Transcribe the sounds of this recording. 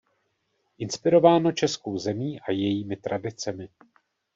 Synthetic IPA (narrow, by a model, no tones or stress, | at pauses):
ʔɪnspɪɾo̞vaːno̞t͡ʃɛsko̞wzɛmiːʔajɛjiːmɪt̪ɾadɪt͡sɛmɪ